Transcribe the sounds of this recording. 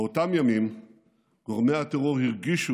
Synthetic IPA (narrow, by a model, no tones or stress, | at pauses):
ot̪amjamim | ɡ̥oʁmejat̪eʁoʁhiʁɡiʃu